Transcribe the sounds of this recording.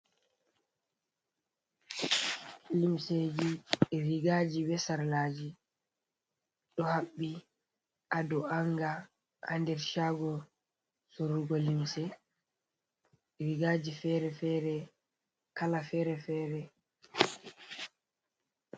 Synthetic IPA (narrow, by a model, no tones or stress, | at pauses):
limsed͡ʒiɛɾiɡad͡ʒiwɛsaɾlaːd͡ʒi | ɗɔhaɓːi | ʔadɔʔaŋɡa | ha̰ndɛɾʃaːɡɔ | soɾuɡɔlimsɛ | ɛɾiɡaːd͡ʒifɛɾɛfɛɾɛ | kalafɛɾɛfɛɾɛ